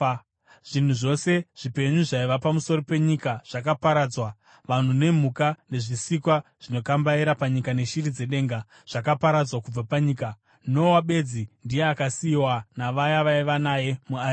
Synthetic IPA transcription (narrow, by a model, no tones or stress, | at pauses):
ʐ̥in̤uʐo̞se̞ʐ̥ipe̞ɲuʐaiʋapamuso̞ɾope̞ɲikaʐ̥ak̬apaɾad͡zwa | ʋan̤une̞m̤ukane̞ʐisikwaʐ̥ino̞kambaiɾapaɲikane̞ʃirid͡ze̞ɗe̞ːŋɡa | ʐ̥akapaɾad͡zwakub͡vapaɲiːka | no̞waɓe̞d͡zindije̞akasiwanaʋajaʋaiʋanaje̞mua